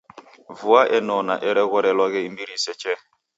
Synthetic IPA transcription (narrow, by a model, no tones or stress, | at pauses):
vuaʔenɔnaʔeɾɛɣɔɾɛlɔɣɪimbiɾiset͡ʃɛ